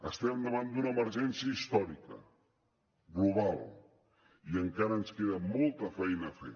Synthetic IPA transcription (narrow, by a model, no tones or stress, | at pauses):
əst̪ɛmd̪əβand̪unəːməɾʒɛnsiəist̪ɔɾikə̰ | ɣluβ̞alˠ | iəŋkaɾəːnskeðəmɔlˠt̪əfɛjnəfḛ